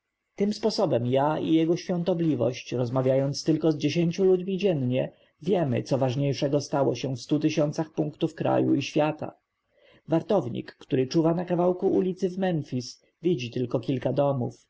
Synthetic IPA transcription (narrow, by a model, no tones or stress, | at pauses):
t̪ɘmspɔsɔbɛmjaijɛɡɔɕfʲjɔ̃nt̪ɔblʲivɔ̰ɕt͡ɕɾɔzmavʲjajɔnt̪st̪ɘlkɔzd͡ʑeɕeɲt͡ɕulud͡ʑmʲid͡ʑɛnɲɛ | vʲjɛmɘ̰t̪sɔvaʐɲejʂɛɡɔst̪awɔɕɛfst̪ut̪ɘɕɔnt̪saxpuŋkt̪ufkɾa̰jṵiɕfʲjat̪a̰ | vaɾt̪ɔvɲḭkːt̪uɾɘt͡ʂuvanakavawkuʔulʲit̪sɘvmɛnfʲis | vʲid͡ʑit̪ɘlkɔkʲilkad̪ɔmṵf